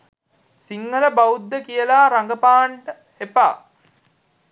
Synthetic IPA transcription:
siŋɡələbaud̪ːəkijəlaːɾaŋɡəpaːɳʈə | hepa̰ː

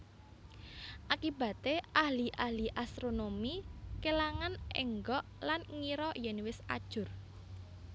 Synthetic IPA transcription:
ʔakib̥ä̤t̪eʔaliʔaliʔast̪ɾonomikelaŋanɛ̰ŋɡɔʔlanŋiɾɔjɛnwɪsa̰d̥ʒ̥ʊ̤r

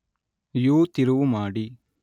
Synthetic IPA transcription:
juːt̪iɾuʋumaːɽi

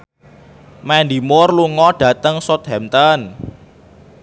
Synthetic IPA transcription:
mɛnd̪imʊrluŋɔɖ̥ä̤t̪əŋsɔt̪̚hɛmt̪ɔn

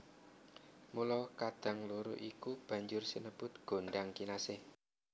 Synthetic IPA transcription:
mulɔkad̪̥a̤ŋluɾṵʔikub̥a̤ɲd͡ʒʊrsənəb̥ʊt̪̚ɡ̥o̤ɳɖaŋkinasɪh

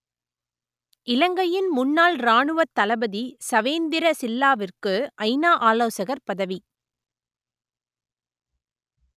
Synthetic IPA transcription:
ɪlɐŋɡɐjɪnmʊnːaːlɾaːɳɯʋɐt̪ːɐlɐbɐðisɐʋeːnd̪ɪɾɐsɪlːaːʋɪrkɯʔɐɪnaːʔaːloːsɐɣɐɾpɐðɐʋi

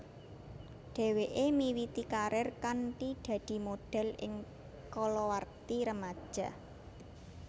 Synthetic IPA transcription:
ɖ̪̥e̤weʔemiwit̪ikaɾɪrkanʈid̪̥ä̤d̪̥i̤moɖ̥ɛ̤lɪ̰ŋ | kɔlɔwart̪iɾəmad̥ʒ̥a̤

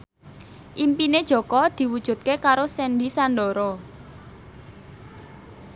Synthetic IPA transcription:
ʔimpined̥ʒ̥ɔ̤kɔd̪̥i̤wud̥ʒ̥ṳt̪̚kekaɾosɛnɖisanɖɔɾɔ

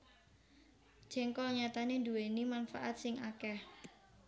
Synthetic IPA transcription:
d̥d͡ʒ̥ɛ̤ŋkɔɲat̪anend̪uwenimanfaʔat̪̚sɪŋʔakɛh

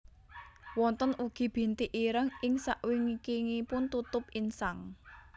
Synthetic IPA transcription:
wɔnt̪ənʔuɡ̥i̤b̥i̤nt̪iʔiɾəŋɪŋsaʔwiŋikiŋipʊnt̪ut̪ʊpinsaŋ

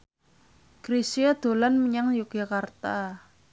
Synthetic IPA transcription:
kɾisiad̪̥o̤lanməɲaŋjukjakart̪a

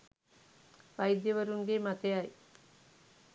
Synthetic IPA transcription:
ʋɐjd̪jəʋɐɾuŋɡeːmat̪ejaj

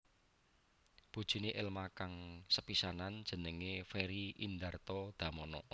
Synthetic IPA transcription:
b̥o̤d̥ʒ̥i̤neʔɪlmakaŋsəpisanand̥ʒ̥ə̤nəŋefɛɾiʔind̪art̪ɔd̪̥ä̤mɔnɔ

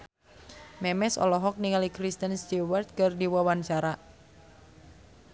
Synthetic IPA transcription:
mɛmɛsɔ̰lɔɦɔk̚niŋalikɾist̪ənst̪iwart̪̚kərdiwawant͡ʃaɾa

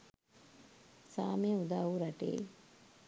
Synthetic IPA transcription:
saːmijəud̪aːuɾɐʈḛː

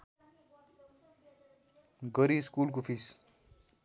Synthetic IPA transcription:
ɡʌɾiskulk̬opʰis

